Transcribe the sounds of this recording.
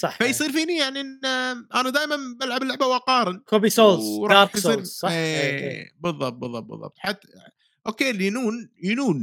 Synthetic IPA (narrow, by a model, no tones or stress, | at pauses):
sˤɑħfajsˤiːɾfiːnijaʕniʔnʔanad̪aːjmanbalʕablːʊʕbawʔaqɑːɾˤɪnkobisoːlɾˤɑɑɾħsˤiːɾsˤɑḛːbɨðˤːɑb̚t̪̚bɨðˤːɑ̰b̚bɨ̰ðˤːɑ̰b̚t̪ˤħat̪ː | ʔoːkeːlinuːnjɪnuːn